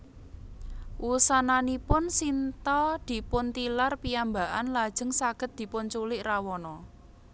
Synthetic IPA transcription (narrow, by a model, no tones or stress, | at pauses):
wusananipʊnsint̪ɔd̪̥i̤pʊnt̪ilarpiambaʔanlad̥ʒ̥ə̤ŋsaɡ̥ə̤t̪̚d̪̥i̤pʊnt͡ʃulɪʔrawɔnɔ